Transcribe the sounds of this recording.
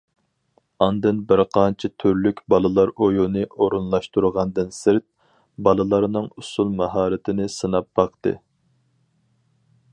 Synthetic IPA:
ɑnd̪ɨnbɪɾqʰɑnt͡ʃʰit̪ʰyɾlykʲbɑlˠɨlˠɑɾojunɨʔoɾunlˠɑʃt̪uɾʁɑnd̪ɨnsɪɾt̪̚ | bɑlˠɨlˠɑɾnɨŋusulˠmɑɦɑːɾɪt̪ʰɪnɪsɨnɑp̚b̥ɑqt̪ɨ̰

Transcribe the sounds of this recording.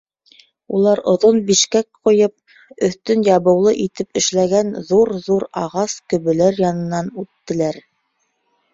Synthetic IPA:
ulˠɑɾŏðonbiʃkæk̚qŏjɤp̚ | ɵ̆θt̪ɵnjɑβɤ̆wlˠɤʔit̪ɘpɘ̆ʃlæɡænðuɾðuɾɑʁɑskɵ̆βɵ̆læɾjɑnɤ̆nːɑnʉt̪ːɘ̆læɾ

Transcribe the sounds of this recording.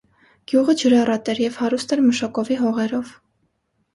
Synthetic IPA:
ɡ̥juʁəd͡ʒəɾɑrɑt̪ɛɾjɛvhɑɾust̪ɛɾməʃɑkɔviɦɔʁɛɾɔv

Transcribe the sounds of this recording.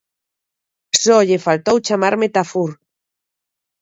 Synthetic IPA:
sɔʎefalt̪owt͡ʃamaɾmet̪afuɾ

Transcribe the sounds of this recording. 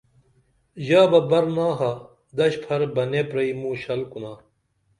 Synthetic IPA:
ʑaːbɐbɐɾnaːɦa | d̪ɐɕpʰɐɾbɐnepɾɐimũːɕɐlkunaː

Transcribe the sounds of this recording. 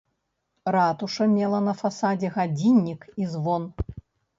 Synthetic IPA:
rat̪uʂɐmʲɛlˠɐnɐfasad͡zʲɛɣad͡zʲinʲːikizvɔn

